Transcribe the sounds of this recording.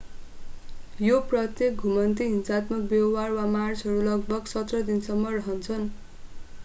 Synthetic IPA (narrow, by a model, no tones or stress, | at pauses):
joprʌt̪jek̚ɡʱumʌnt̪iɦinsat̪mʌk̚bjʌwarwamart͡sʰɦʌɾulʌɡ̚bʌksʌt̪rʌd̪insʌmːʌrʌɦʌnt͡sʰʌn